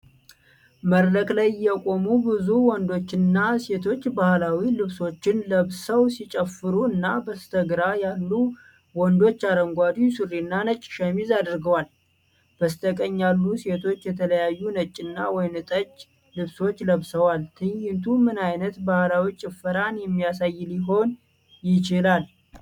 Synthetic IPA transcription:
məɾləkʼlajɪjɛkʼo̞mubɨzuwɔnd̪o̞t͡ʃːɪnːase̞t̪ʰo̞t͡ʃːbahlawilɨβso̞t͡ʃːɪnləβsəwsit͡ʃʼəfːɨɾuɨnːabəst̪ʰəɡɾajalːu | wɔnd̪o̞t͡ʃːaɾəŋɡʷad̪isɨrːinːanət͡ʃʼːʃəmizad̪ɾɡəwal | b̥əst̪ʰʼəkʼəɲːalːuse̞t̪ʰo̞t͡ʃːjɛt̪ʰələjajːunət͡ʃʼːɪnːawɔjnɨt̪ʼət͡ʃʼː | lɨβso̞t͡ʃːləβsəwalt̪ʰɨɲjɪnt̪ʰumɨnajnət̪bahlawit͡ʃʼɪfːɨɾanjɛmːijasajːliɦo̞n | jɪt͡ʃɪlal

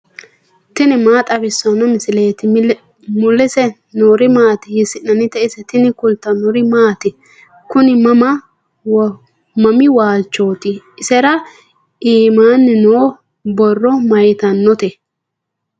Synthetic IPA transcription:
t̪ɪnɪmaːt̪ʼɐbɪsːɐnːɔmɪsɪleːt̪ɪ | mʊlːɪsɛ | noɾɪmaːt̪ɪjɪsɪnːɐnɪt̪ɛɪsɛt̪ɪnɪkʊlt̪ːɐnɔɾɪmaːt̪ɪ | kʊnɪmɐmɐ | mɐmɪwaːt͡ʃːo̞ːt̪ɪ | ɪsɛɾɐ | iːmaːnːɪnoː | bɔrːɔmɐjt̪ɐnːɔt̪ɛ

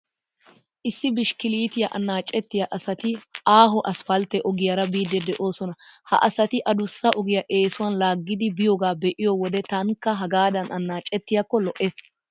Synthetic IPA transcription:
ʔɪsːɪbɪʃkɪliːt̪ɪjɐʔɐnːaːt͡ʃʼːɛt̪ːɪjɐʔɐsɐt̪ɪʔaːɦɔʔɐsfɐlt̪ɛʔɔɡɪjɐɾɐbiːd̪ːɛd̪ɛʔo̞ːsɔnɐhɐ̰ʔɐsɐt̪ɪʔɐd̪ʊsːɐʔɔɡɪjɐʔe̞ːsʊwɐnlaːɡːɪd̪ɪbɪjoːɡaːbɛʔɪjowɔd̪ɛt̪ɐŋkːɐɦɐɡaːd̪ɐnʔɐnːaːt͡ʃʼɛt̪ːɪjɐkːɔlɔʔeːs

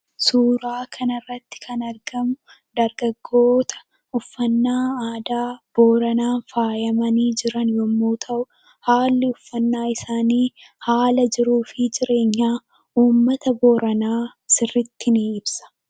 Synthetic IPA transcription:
suːɾaːkʰɐnɐrːɐt̪ːɪ̥kʰɐnɐɾɡɐmʊ | d̪ɐɾɡɐɡːo̞ːt̪ʰɐ̥ | ʊfːɐnːaːaːd̪aːb̥oːɾɐnaːnfaːjɐmɐniːd͡ʒɪɾɐnjɔmːoːt̪ʰɐʔʊ | haːlːɪʊfːɐnːaːɪsaːniːhaːlɐd͡ʒɪɾuːfɪd͡ʒɪɾe̞ːɲːaː | uːmːɐt̪ɐboːɾɐnaːsɪrːɪt̪ːɪniɪbsɐ̥

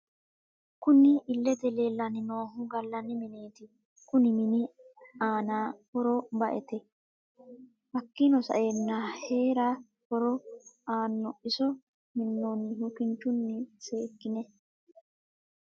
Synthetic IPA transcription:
kʊnɪʔːlːɛt̪ɛleːlːɐnɪnoːɦʊɡɐlːɐnɪmɪneːt̪ɪ | kʊnɪmɪnɪaːnaːkɔɾɔbɐʔɛt̪ɛ | ʔɐkːɪnɔsɐ̰ʔjenːɐhe̞ːɾa | kɔɾɔaːnːɔʔɪsɔ | mɪnːɔnhʊkɪnt͡ʃːʊnːɪse̞ːkːɪnɛ

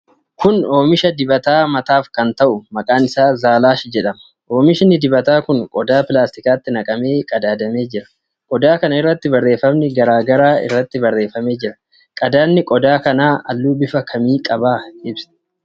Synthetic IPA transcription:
kʊno̞ːmɪʃɐd̪ɪbɐt̪aːmɐt̪aːfkɐnt̪ɐʔʊmɐkʼaːnɪsaːzaːlaːʃd͡ʒɛᶑɐmɐ̥ | o̞ːmɪʃnɪd̪ɪbɐt̪aːkʊŋkʼɔd̪aːpɪlaːst̪ɪkaːt̪ːɪnɐkʼɐme̞ːkʼɐd̪aːd̪ɐme̞ːd͡ʒɪɾɐ̥ | kʼɔd̪aːkɐnɐɪrːɐt̪ːɪbɐrːe̞ːfɐmnɪɡɐɾaːɡɐɾaːɪ̰rːɐt̪ːɪbɐrːe̞ːfɐme̞ːd͡ʒɪɾɐ̥ | kʼɐd̪aːnːɪkʼɔd̪aːkɐnaːɐlːuːbɪfɐkʰɐmiːkʼɐbaːɪbsɐ̥

